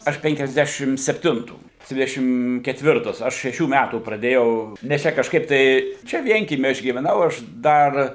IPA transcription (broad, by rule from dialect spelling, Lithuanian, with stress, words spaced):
ˈɐʃ pʲɛŋʲkʲɛzʲˈdʲæːʃʲɪm sʲɛpʲˈtʲɪntuː ˈdʲʋʲɪdʲɛʃʲɪm kʲɛtʲˈʋʲɪrtɐs ˈɐʃ ʃʲɛˈʃʲuː ˈmʲætuː prɐˈdʲeːjɛʊ nʲɛs ˈt͡ʃʲɛ kɐʃˈkɐɪp tɐɪ ˈt͡ʃʲɛ ˈʋʲiɛŋʲkʲiɛmʲiː ˈɐʃ ɡʲiːʋʲɛˈnɐʊ ˈɐʃ ˈdɐr